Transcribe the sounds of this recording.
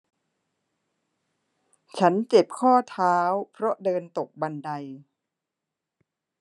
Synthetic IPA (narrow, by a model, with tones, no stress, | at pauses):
t͡ɕʰa˦˥nt͡ɕe˨˩p̚kʰɔː˥˩t̪ʰaː˦˥wpʰɾɔ˦˥dɤː˧nt̪o˨˩k̚ba˧nda˧j